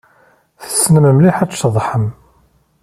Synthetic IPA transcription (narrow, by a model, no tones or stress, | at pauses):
θə̥sːnəməmliħæt͡ʃːðˤħəm